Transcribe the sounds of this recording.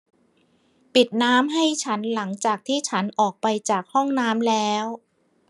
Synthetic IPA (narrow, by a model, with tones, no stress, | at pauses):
pi˨˩t̪̚naː˦˥mɦa˥˩jt͡ɕʰa˦˥nla˩˦ŋt͡ɕaː˨˩k̚t̪ʰiː˥˩t͡ɕʰa˦˥nʔɔː˨˩k̚pa˧jt͡ɕaː˨˩k̚hɔ˥˩ŋnaː˦˥mlɛː˦˥w